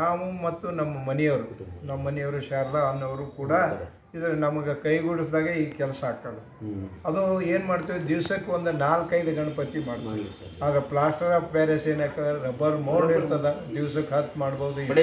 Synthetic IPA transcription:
naːmumɐt̪ːunɐmːɐmɐnɛjɐʋɾunɐmːɐnɛjɐʋɾuʃaɾlɐɐnːɐʋɐɾuːkuːɽɐ | id̪ɐɾenɐmɐɡekɐjɡuɽisd̪aːɡeiːkɛlɐsɐaːk̚t̪aːle | ɐd̪ueːnmaːɽt̪iʋd̪iʋsɐkːeond̪unaːlkːɐjɡɐɡɐɳɐpɐt̪imaːɽt̪aːɾ | aːd̪ɐɾeplaːsʈɐɾapbeːɾeseːnaːk̪ɐɾɐbɐɾmɐɖiɾt̪ɐd̪ed̪iʋsɐkːɦɐt̪ːmaːɽbɐʋud̪u

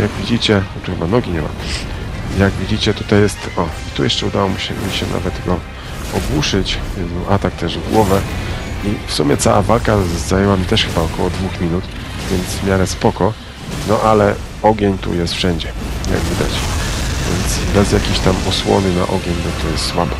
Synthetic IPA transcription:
jaɡvʲid͡ʑit͡ɕɛt̪uxɛbanɔɡʲiɲɛma̰ | jaɡvʲid͡ʑit͡ɕɛt̪ut̪ajɛst̪ɔit̪ujɛʂt͡ʂɛud̪awɔmʲiɕɛ̰iɕɛna̰vɛt̪ɡɔ | ɔɡwuʂɘt͡ɕjɛd̪nɔʔat̪ak̚t̪ɛʐvɡwɔvɛ | ifsumʲɛt̪sawavalkaːajɛwamʲit̪ɛʂxɘbaɔkʰɔwɔd̪vuxmʲinut̪ | vʲjɛnd̪zvmʲjaɾɛspɔkɔ | nɔʔalɛ | ɔɡʲeɲt̪ṵjɛst̪fʂɛɲd͡ʑɛja̰ɡvʲid̪a̰t͡ɕvʲjɛ̰nt̪sbɛzjakʲiɕt̪amɔswɔ̰nɘna̰ʔɔɡʲeɲnɔt̪ʰɔjɛst̪swabɔ

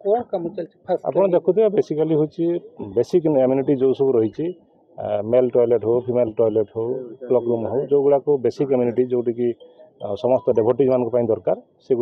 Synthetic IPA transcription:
kɔmt͡ʃɔt͡ʃʰa̰pɔɽ̃ɔd̪ekʰud̪iɔbesikaliɦot͡ʃʰibesikemjuniʈid͡ʒowsɔbuɾɔɦit͡ʃʰi | melʈɔjleʈɦopʰimelʈɔjleʈɦowklɔkɾumɦowd͡ʒowɡuɽakubesikemjuniʈid͡ʒowʈikisɔmɔst̪ɔɖebʱɔʈid͡ʒmanɔ̃ŋkupaĩd̪ɔɾkaɾ | seɡu

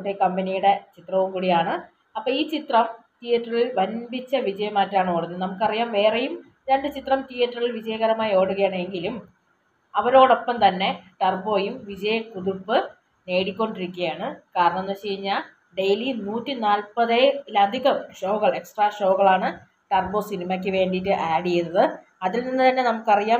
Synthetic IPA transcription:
ʈːekɐmbɐnijuɽe̞t͡ɕit̪rɐʋumkuːɽijaːɳɨ | ɐpːoːiːt͡ɕit̪rɐm | t̪ijɐtrɐɭilʋɐnbit͡ɕːɐʋid͡ʑɐjɐmaːtːaːɳɨoːɽunːnɐmukːɨɐrijaːmʋe̞ːrejum | ɾeɳɖɨt͡ɕit̪rɐmt̪ijɐʈːrɐrɭilʋid͡ʑɐjɐɣɐɾɐmaːjoːɽuɣɐjaːɳeŋɡilum | ɐʋɐɾo̞ːɽo̞pːɐmt̪ɐnːe̞ʈɐrbo̞ːjumʋid͡ʑɐjɐkuðupːɨ | ne̞ːɽikʲːo̞ɳɖiɾikʲːɣɐjaːɳɨkaːɾɐɳɐmenːɐt͡ɕeːjiɲːa | ɖejlinuːtːinaːlpɐðelɐd̪ʱiɣɐmʂo̞ːɣɐɭe̞ksʈraːʂo̞ːɣɐɭaːɳɨ | ʈɐrbo̞ːsinimɐk̬ʲːɨʋe̞ːɳɖitːɨʔaːɽijejnːɐðɨ | ɐðilninːɨt̪ɐnːe̞nɐmukːɨɐrijaː

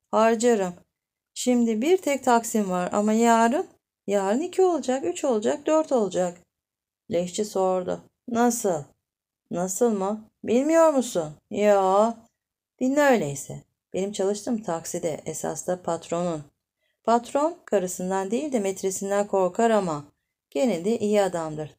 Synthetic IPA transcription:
haɾd͡ʒaɾɯm | ʃimd̪ibiɾt̪ʰɛc̚t̪ʰaksimvaɾa̰majaːɾɯn | jaːɾɯnicʰio̞lˠud͡ʒakyt͡ʃʰo̞lˠud͡ʒak̚d̪øɾt̪ʰo̞lˠud͡ʒak | lʲɛʃt͡ʃʰiso̞ɾd̪ʊ̰ | nasɯlˠ | nasɯlˠmʊ | bilʲmijo̞ɾmusunjaː | d̪̥inʲnø̞jlʲejisɛ̰ | b̥e̞nimt͡ʃʰalˠɯʃt̪ʰɯmt̪ʰaksid̪ɛʔesa̰st̪apʰat̪ɾo̞nun | pʰat̪ɾo̞nkʰaɾɯsɯnd̪and̪ejilʲd̪imɛt̪ɾe̞sind̪ænkʰo̞ɾkʰaɾama | ɟ̥e̞nelʲd̪ɛʔijiad̪amd̪ɯɾ̥

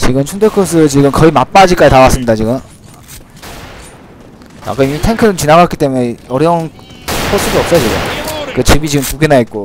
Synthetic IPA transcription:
t͡ɕiɡɯmt͡ɕʰundekʰos̬ʰɯt͡ɕiɡɯmkʌimap͈ad͡ʑik͈aitawas͈ɯmɲidat͡ɕiɡɯm | a̰k͈aimitʰeŋkʰɯɾɯt͡ɕinaɣatk͈it͈e̞mune̞ʌɾjʌun | kʰosʰɯdoʌp̚s͈ʌjot͡ɕiɡɯ̰mkɯt͡ɕibit͡ɕiɡɯmpuɡenait̚k͈o

